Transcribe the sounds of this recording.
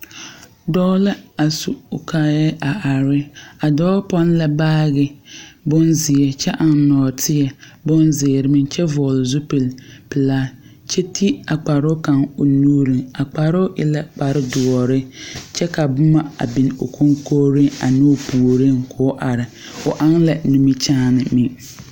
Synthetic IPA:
dɔ˦la˦a˨su˨ka˦jɛ˦a˨ʔa˨ɾɪ˦a˨dɔː˦pɔ˦n˦la˨baː˦ɣɪ˨bʊ˦nzɪ˨jɛ˨t͡ʃɛ˦ʔa˨n˨nɔː˨tʰɪ˦jɛ˨ | bʊ˦nzɪː˨ɾɪ˨˦mɪ˦t͡ʃɛ˦vɔ˨lzu˦pɪ˨lpɪ˨laː˦ | t͡ʃɛ˦tʰi˦a˨k͡pa˨ɾʊ˦ka˨ŋʊ˨nuː˦ɾi˨ŋa˨k͡pa˨ɾʊ˦ʔɪ˨la˦k͡pa˨ɾɪ˦dʊ˨ɔ˨ɾɪ˦t͡ʃɛ˦ka˨bʊ˦ma˦a̰˨bi˨no˨kʰu˦ŋkoː˦ɾɪ˦a̰˨nʊ˦puː˨ɾɪ˦ŋkʰʊ˨˦ʔa˨ɾɪ˨ | ʊ˨ʔa˦ŋla˨nu˨mi˦t͡ʃaː˦nɪ˨mɪ˨

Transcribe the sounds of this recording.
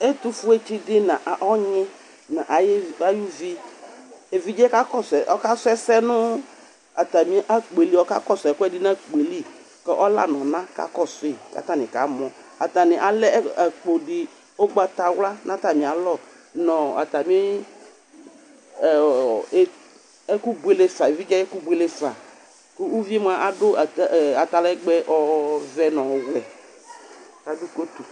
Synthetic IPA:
e˦tu˦fʊ˦e˦t͡ʃi˦dɪ˦nã˨ʔɔ˦ɲɪ̃˦ | nã˨ʔa˨ja˦ju˦vi˦ | e˨vi˦d͡ʒɛ˦ka˦kɔ˦˨sɛ˨ʔɔ˦ka˦sʊ˦ɛ˦sɛ˦nʊ˦ | a˨ta˨mĩ˦ʔa˦k͡pe˨li˦ɔ˦ka̰˦kɔ˦˨sɛ˨kɛ˦dɪ˦nã˦k͡pe˨li˦ | kɛ˦ʔɔ˦la̰˨nɔ̃˨nã˦ka̰˦kɔ˦˨sʊ˨i˨ka̰˦˨ta˦˨nɪ̃˨ka˨˦mɔ̃˨ | a̰˨ta˨nɪ̃˨ʔa˨lɛ˦a˨k͡po˨dɪ˨ | o˦ɡ͡ba˦ta˨wla˦nʔã˦ta˨mĩ˨a˨lɔ˦˨ | nɔ̃˨a̰˨ta˨mi˦˨˦ | ɛ˦ku˦bwe˦le˦fa˨vi˦d͡ʒa˦ɛ˦ku˦bʷe˦le˦fa˨ | kʊ˦u˦vi˦e˦m˦a˨ʔa˨dʊ˦˨a˨ta˨lɛ˦ɡ͡bɛ˦ʔɔ˦vɛ˦nɔ̃˨wlɛ˨ | ka˨dʊ˦ko˦tu˨

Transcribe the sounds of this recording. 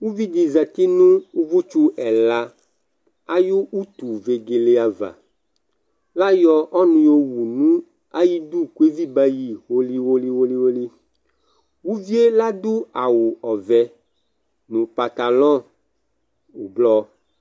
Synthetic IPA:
wu˦vi˦d͡ʒi˨za˨t̪i˦nũ˦wu˦vu˦t͡ʃu˦ʔɛ˨la˨ | a˦jo˦u˦t̪u˨ve˨ɡe˨le˦a˨va̰˨ | la˦jɔ˦ʔɔ˦nũ˨˦jo˦wu˨nũ˦ | a˦ji˦d̪u˦ku˦e˦vi˦ba˦ji˨wo˦li˦wo˦li˦wo˦li˦wo˦li˦ | wu˦vi˦e˦la˦d̪u˦a˨wu˨ɔ˨vɛ˨ | nũ˨pa˨t̪a˨lɔ̃˦ | u˨blɔ˦

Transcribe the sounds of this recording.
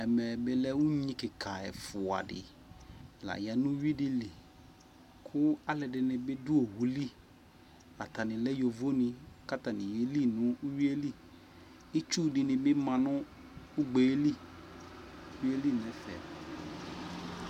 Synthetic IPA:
ɛ˨mɛ˨bɪ˦lɛ˦wu˦ɲĩ˦kɪ˨kʰa˨ɛ˨fʊ˨a̰˨dɪ̰˨ | la̰˨ja˨nʊ̃˦ɥi˦dɪ˦lɪ˨ | kʰʊ˦a˦lɛ˨dɪ˨nɪ̃˨bɪ˦dʊ˦o˨ɦu˦li˦ | a˨ta˨nɪ̃˨lɛ˦jo˨vo˦nɪ̃˨ka˦ta˨nɪ̃˨je˨li˦nʊ̃˦ɥi˦e˦li˦ | ɪ˦t͡ʃu˦dɪ˨nɪ̃˨bɪ˦mã˨nʊ̃˦ | ʊ˦ɡ͡be˨˦li˦ | wi˦e˦li˦˨nɛ̃˨fɛ̰˨

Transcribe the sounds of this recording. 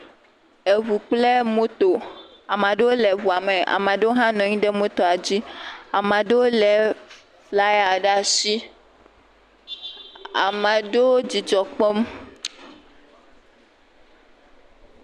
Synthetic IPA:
e˨βu˨k͡ple˦mõ˦t̪o˨ | a˨mã˨ɖe˦wo˦lɛ˨βu˨a˨mɛ̃˨a̰˨mã˨ɖe˦wo˦ɦã˦nɔ̃˨ɲĩ˦ɖɛ˦mõ˦t̪ɔ˨a˨d͡ʑi˦a˨mã˨ɖe˦wo˦lɛ˨ | la˦ja˨ɖa˦si˦ | a̰˨mã˨ɖe˦wo˦d͡ʑi˨d͡ʒɔ˨k͡pɔ˦m

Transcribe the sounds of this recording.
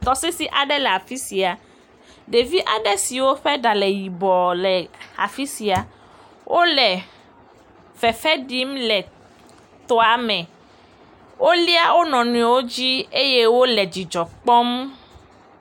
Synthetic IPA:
t̪ɔ˨sɛ˦si˨ʔa˨ɖɛ˦lɛ˨a˨fi˦si˨a˨ | ɖe˨vi˦ʔa˨ɖɛ˦si˨wo˦ɸɛ˦ɖa˨lɛ˨ji˨bɔ˨lɛ˨a˨fi˦si˨a˨ | wʔo˦lɛ˨ | fɛ˨fɛ˦ɖi˦mlɛ˨ | t̪ɔ˦a˨mɛ̃˨ | wo˦li˦a˦wo˦nɔ̃˨nũ˦ɛ˨wo˦d͡ʑi˦e˦je˦wo˦lɛ˨d͡ʑi˨d͡ʒɔ˨k͡pɔ˦m

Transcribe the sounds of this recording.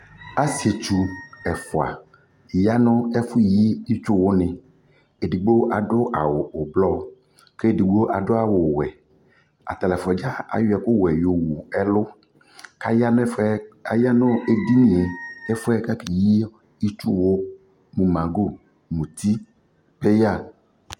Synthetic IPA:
a˦si˨e˨t͡ʃu˨ɛ˨fo˨a̰˨ | ja˦nɔ̃˦ɛ˦fʊ˦˨ji˦i˦t͡ʃʊ˦wo˦nɪ̃˨ | e˨di˨ɡ͡bo˦ʔa˨ɖʊ˦ʔa˨wʊ˨o˨blɔ˦˨ | ke˦˨di˨ɡ͡bo˦ʔa˨ɖʊ˦a˨wo˨wɛ˨ | a̰˨t̪a˨lɛ˨fɔ˨d͡ʒa˦a̰˨jʊ˦ɛ˨kʊ˦wɛ˨jo˨wu˨ɛ˦lʊ˦ | ka˦ja˦n˦a˨ja˦nɔ̃˦e˦di˦nĩ˨e˨ɛ˦fʊ˦ɛ˦ka˦ke˨ji˦ | i˦t͡ʃu˦wo˦ | mũ˨mã˨ɡo˦˨ | mũ˨t̪i˦ | pe˦ja˦˨

